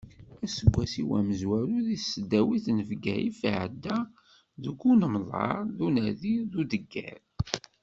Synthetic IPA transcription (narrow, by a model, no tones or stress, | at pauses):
æsəɡʷːæsiwæməzwæɾuðisəd̪ːæwiθnəvɡæjifʕəd̪ːæ | ðəɡːunəmðˤɑ̰ɾˤðunæðiðud̪əɡːæ̰ɾ